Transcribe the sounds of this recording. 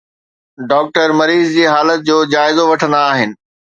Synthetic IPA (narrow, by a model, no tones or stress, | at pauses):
ɖɔːk̚ʈəɾmɐɾiːzd͡ʑiːɦaːlət̪̚d͡ʑoːd͡ʑaːɪzoʋɐʈʰə̃nd̪aaːɦɪnɪ̆